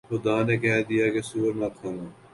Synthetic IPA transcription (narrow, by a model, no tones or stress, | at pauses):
xʊd̪aːnekɛːd̪ijaːkesuːəɾnakʰaːnaː